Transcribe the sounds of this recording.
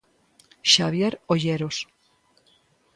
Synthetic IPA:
ʃaβjeɾoʎeɾos

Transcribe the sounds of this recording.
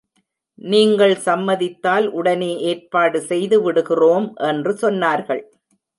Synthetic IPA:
niːŋɡɐɭsɐmːɐðɪt̪ːaːlʔʊɽɐneːʔeːɾpaːɽɯsɛjðɯʋɪɽɯɣɪroːmʔɛndrɯsɔnːaːɾɣɐɭ

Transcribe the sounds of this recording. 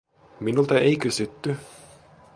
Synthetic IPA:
minult̪ɑejkysyt̪ːy

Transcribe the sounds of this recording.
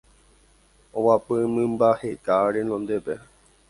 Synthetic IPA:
õwapɨmɨ̃mbahekaɾenõ̞nd̪epe

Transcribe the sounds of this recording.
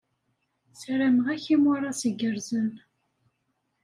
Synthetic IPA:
sɾamʁæçimʊɾˤɑsiɡəɾzən

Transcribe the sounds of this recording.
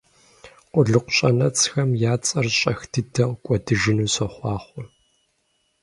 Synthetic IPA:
qʷʊɮɨqʷʊɕʼɐnɐt͡sʰxɐmjaːt͡sʼɐrɕʼɐxdʰɨdɐʁkʷʼɔdɨʒɪnuːsɐχʷɑːχʷʊ

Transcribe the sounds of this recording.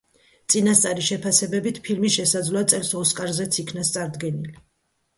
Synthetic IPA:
t̪sʼinast̪sʼaɾiʃɛpʰasɛbɛbit̪ʰpʰilmisʃɛsad̪zlɔat̪sʼɛlˠsɔskʼaɾzɛt̪sʰikʰnast̪sʼaɾd̪ɡɛnili

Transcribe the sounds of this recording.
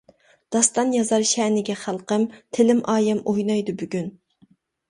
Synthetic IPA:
d̪̥ɑst̪ɑnjɑzɑɾʃɛːnɪɡʲɛχælˠqəmt̪ʰɪlɪmɑːjɛmojnɑjd̪ʊbyɡʲyn

